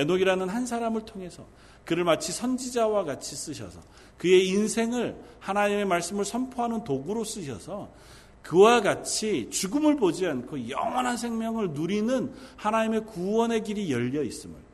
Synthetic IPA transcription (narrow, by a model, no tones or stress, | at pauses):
enoɡiɾanɯnɦansʰaɾamɯɭtʰoŋe̞sʰʌ̰ | kɯɾɯɭmat͡ɕʰisʰʌnd͡ʑid͡ʑawaɡat͡ɕʰis͈ɯɕʰʌ̰sʰʌ | kɯe̞insʰe̞ŋɯɭ | hanaɲime̞maɭs͈ɯmɯɭsʰʌmpʰoɦanɯntoɡuɾos͈ɯɕʰʌ̰sʰʌ | kɯwaɡat͡ɕʰit͡ɕuɡɯmɯɭbod͡ʑiankʰojʌ̰ŋʌnɦansʰe̞ŋmjʌŋɯɭnuɾinɯnhanaɲime̞kuwʌne̞ɡiɾijʌʎːʌis͈ɯmɯ̰ɭ